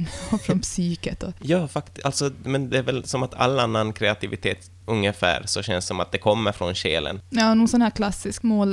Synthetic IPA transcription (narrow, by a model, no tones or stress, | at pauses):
ɔfɾɔnpsyːkət̪ɔjɑːfakt̪ʔalt̪sɔmɛnd̪ɛæɾvɛlsɔmat̪ʰa̰lːanːankʰɾɛat̪ʰɪvɪt̪ʰeːt̪ | ɵŋːəfæ̰ːɾsɔɕɛnssɔmat̪̚d̪ɛkʰɔmːəɾfɾɔnɕeːlə̰njɑːnɔnsɔnhæːɾkʰlasːɪskmoːl